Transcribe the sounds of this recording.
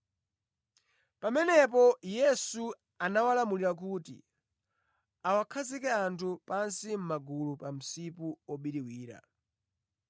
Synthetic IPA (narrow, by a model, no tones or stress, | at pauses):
pamɛnɛpɔjɛsu | anawalamuliɾak̬utḭ | awakʰazikɛantʰupansim̩maɡulupam̩sipuɔɓiɾiwiːɾa̰